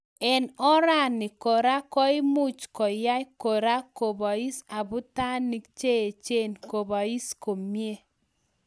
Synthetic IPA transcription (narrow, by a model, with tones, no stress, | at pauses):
ɛ˨nɔ˦ɾa˦˨nɪ˨ko˨ɾa˦kɔ˦i˦mu˦t͡ʃkɔ˨ja˦jko˨ɾa˦ko˨bɔ˨i˦sa˨bʊ˦ta˦ni˨kt͡ʃe˦e˨t͡ʃe˦˨nko˨ba˨i˦sko˨mje˦